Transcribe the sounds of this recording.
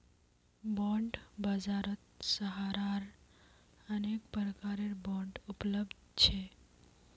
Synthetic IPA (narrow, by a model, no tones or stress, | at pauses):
bɔ̃ɳɖbəd͡ʒaɾət̪səɦaɾaɾ | ənek̚pɾəkaɾeɾbɔ̃ɳɖupləbd̪̚ʱt͡ʃʰe